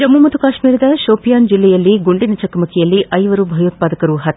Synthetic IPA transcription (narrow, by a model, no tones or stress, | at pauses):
d͡ʒɐmːumɐt̪ukaːʃmiːɾɐd̪ɐʃoːpijaːnd͡ʒilːɛjɐlːiɡuɳɖinɐt͡ʃɐkɐmɐkʰɛjɐlːiʔɐjʋɐɾubʱɐjoːt̪̚paːd̪ɐkɐɾuɦɐt̪ː